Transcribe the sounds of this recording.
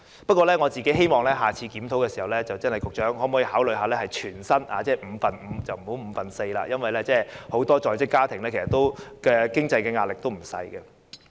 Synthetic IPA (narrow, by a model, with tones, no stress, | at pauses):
pɐ˥t̚kʷɔː˧lɛː˥ŋɔ˨˧t͡siː˨ke˨˥ɦe˥jmɔː˨˩ŋlɛː˥ɦaː˨t͡sʰiː˧kiː˨˥mt̪ʰo˨˥wkɛː˧siː˨˩hɐ˨wlɛː˥t͡sɐ˨wt͡sɐ˥nhɐ˨jkʊ˨k̚t͡ʃœː˨˥ŋhɔ˨˥mɔ˨˥ji˨˧haː˨˥wlɵ˨ɥɦaː˨˧lɛː˥hɐ˨jt͡ʃʰyː˨˩nsɐ˥na̰ː˨˧t͡sɛː˥˩m̩˨˧fɐ˨nm̩˨˧t͡sɐ˨wm̩˨˩ho˨˥wm̩ː˨˧fɐ˨nse˧jla̰ː˧jɐ˥nwɐ˨jlɛː˥t͡sɛː˥˩ho˨˥wt̪ɔː˥t͡sɔː˨˧jt͡sɪ˥kːaː˥t̪ʰɪ˨˩ŋlɛ˥kʰsɐ˨t̪o˥wkɛː˧kɪ˥ŋt͡sɐ˧jkɛː˧ŋaː˧lɪ˨k̚t̪o˥wm̩˨˩sɐ̰˧jɡɛ˧